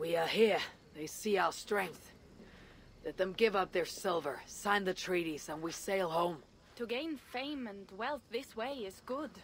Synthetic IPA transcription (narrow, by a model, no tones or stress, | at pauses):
wiəɦiɹ | ðeɪsiaʊə˞stɹ̥ɛ̃ŋk̚θ | lɛt̪̚ðɨ̃mɡɪvʌp̚ðə˞sɪlˠvə˞sãɪ̃nðɨtʰɹ̥iɾiz̥ə̃nwiseɪlˠɦõʊ̃m | tʰɨɡẽɪ̃nfẽɪ̃mɨ̃ndwɛlˠθðɪsweɪɪzɡʊd̥